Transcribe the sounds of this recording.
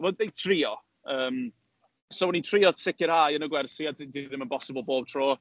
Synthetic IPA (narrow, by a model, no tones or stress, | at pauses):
mədejtʰriːɔ | əːm | sowɛnitʰriːɔsɪkɪɾhajənəɡwɛrsiaddiðɪmənpɔsɪbəlˠboːb̥̚tʰr̥oː